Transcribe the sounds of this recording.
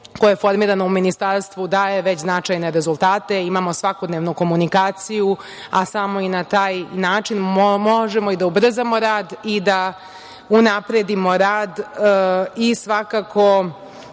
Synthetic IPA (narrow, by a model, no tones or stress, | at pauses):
kojojefo̞ɾmiːɾanouminist̪aɾst̪ʋud̪aːjeʋet͡ɕznat͡ʂajne̞ɾe̞zulˠt̪aːt̪e̞imamo̞sʋakod̪neʋnuko̞munikaːt̪siju | asamo̞inat̪aːjnaːt͡ʂinmoʒemo̞id̪aubr̩zamo̞ɾaːd̪id̪a | unapɾe̞d̪imo̞ɾaːd̪ | isʋakakʰo̞